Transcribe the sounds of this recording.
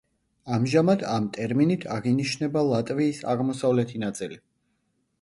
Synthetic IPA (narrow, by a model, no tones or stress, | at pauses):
amʒamad̪amt̪ʼɛɾminit̪ʰaʁiniʃnɛbalˠat̪ʼviːsa̰ʁmɔsavlɛt̪ʰinat̪sʼili